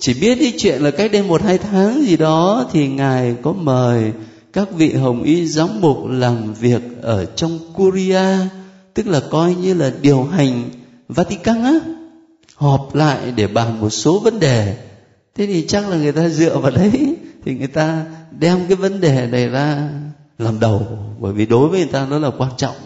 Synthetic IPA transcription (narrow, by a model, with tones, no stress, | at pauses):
t͡ɕi˧˩ɓi˦˥ət̚ki˨˦t͡ɕwḭ˧˨ənlaː˨˩ka˦˥k̟̚ɗe˧nmo˨˩t̚haː˧jt̪ʰaː˨˦ŋzi˨˩ɗɔ˨˦t̪ʰi˨˩ŋaː˨˩jkɔ˨˦məː˨˩j | kaː˦˥k̚vḭ˧˨ɦə˨˩wŋ͡mʔi˧zaː˨˦ŋ͡mɓu˨˩k͡p̚laː˨˩mvi˨˩ək̚ʔəː˧˩t͡ɕɔ˧wŋ͡mku˧zi˧aː˧t̪ɨ˦˥k̚laː˨˩kɔ˧jɲɨ˧laː˨˩ɗi˨˩əwɦa˨˩jŋ̟ | vaː˧t̪i˧kaː˧nʔaː˨˦ | hɔ˨˩p̚la̰ː˧˨jɗe˧˩ɓaː˨˩nmo˨˩t̚so˨˦və˨˦nɗe˨˩ | t̪ʰe˨˦t̪ʰi˨˩t͡ɕa˦˥k̚laː˨˩ŋɨ˨˩əjt̪aː˧zɨ̰˧˨əvaː˨˩wɗə˨˦jt̪ʰi˨˩ŋɨ˨˩əjt̪aː˧ɗɛ˧mkaː˨˦jvə˨˦nɗe˨˩na˨˩jzaː˧ | laː˨˩mɗə˨˩wɓəː˧˩jvi˨˩ɗo˨˦jvə˨˦ŋɨ˨˩jt̪aː˧nzɔ˨˦t̚laː˨˩kwaː˧nt͡ɕɔ̰˧˨wŋ͡m